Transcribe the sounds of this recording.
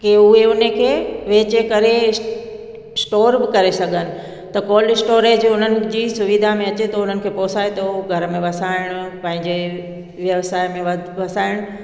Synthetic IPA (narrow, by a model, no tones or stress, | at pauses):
keʊɦeʊnə̆kʰeːʋeːt͡ɕekɐɾe | sʈoːɾbɪkɐɾesɐɡʱənɪ̆ | t̪ɐkɔːlɪsʈoːɾed͡ʑoʊn̤ənɪ̆d͡ʑiːsʊʋɪd̪ʱamẽɐt͡ɕet̪ɐʊn̤ənɪkʰeːpɔːsaːet̪ɐuɡʱɐɾmẽʋɐsaːɪɽ̃ʊpɐ̃ɦɪ̃ɲd͡ʑe | ʋjɐʋsaːɪmẽʋʋɐsaːɪɽ̃ʊ